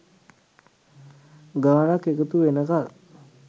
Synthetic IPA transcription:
ɡaːnakːekət̪uʋenəkal

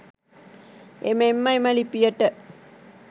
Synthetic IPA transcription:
ḛmemːɐimɐlipijəʈə

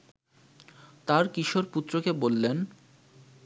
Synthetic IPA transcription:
t̪aɾkiʃoɾput̪ːɾokebolːen

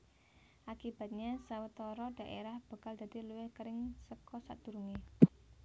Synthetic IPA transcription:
ʔakib̥ä̤t̪̚ɲasawət̪ɔɾɔɖ̥ä̤ʔeɾahb̥a̤kald̪̥a̤d̪̥iluwɪhkəɾɪŋsəkɔsa̰ʔd̪̥ṳɾuŋe

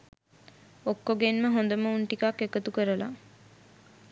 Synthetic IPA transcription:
okːoɡenməɦõnd̪əməuɳʈikakːekət̪ukəɾəla̰

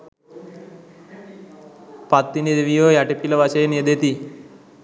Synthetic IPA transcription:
pat̪ːined̪eʋijojaʈepiləʋaʃəjeniəd̪et̪i

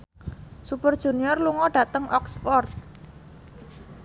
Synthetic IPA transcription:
supərd̥ʒ̥ṳniɔrluŋɔɖ̥ä̤t̪əŋʔɔksfɔrt̪̚

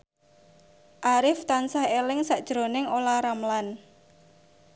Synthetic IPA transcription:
ʔaɾɪft̪ansahelɪŋsaʔd̥ʒ̥ɾonɪŋolaɾamlan

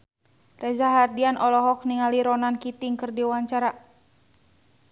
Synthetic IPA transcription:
rɛzaɦardianʔɔlɔɦɔk̚niŋaliɾɔnankit̪iŋkərdiwaɲt͡ʃaɾa

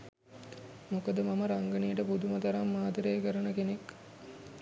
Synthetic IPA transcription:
mokəd̪əmaməɾaŋɡənijəʈəpud̪umət̪aɾamːaːd̪əɾejkəɾənəkenek

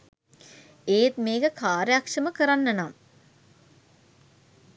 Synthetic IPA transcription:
eːt̪meːɡəkʰaːɾjakʂɐməkəɾanːɐnam

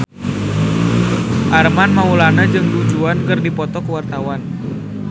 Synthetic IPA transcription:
ʔarmanmaulanad͡ʒɨŋdud͡ʒuankɨrdipɔt̪ɔkəwart̪awan

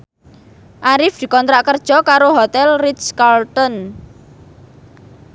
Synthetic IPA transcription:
ʔaɾɪfd̪̥i̤kɔnt̪ɾaʔkərd̥ʒ̥ɔ̤kaɾoɦot̪ɛlriskalt̪ɔn

